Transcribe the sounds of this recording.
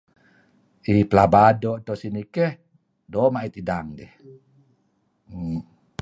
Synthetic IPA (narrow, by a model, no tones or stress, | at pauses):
ʔipəlabadoʔt̪osinikɛh | dɔmaʔit̪idaŋdɛh